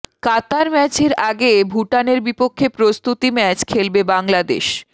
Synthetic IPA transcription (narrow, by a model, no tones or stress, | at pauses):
kat̪aɾmɛt͡ɕeɾaɡebʱuʈaneɾbipokʰːepɾost̪ut̪imɛt͡ɕkʰelbebaŋlad̪ḛʃ